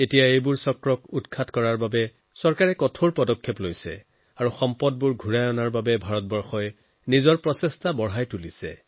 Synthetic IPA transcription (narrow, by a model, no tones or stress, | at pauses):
etijaejbʊɹsɔkɹɔkutkʰatkɔɹaɹbabɛ | sɔɹkaɹɛkɔtʰoɹpɔdɔkʰːeplojsɛ̰ | aɹuxɔmpɔd̚buɹɡʱuɹajɔnaɹbabɛbʱaɹɔtbɔɹxɔj | nizɔɹpɹɔsɛstabɔɹɦajtulisɛ̰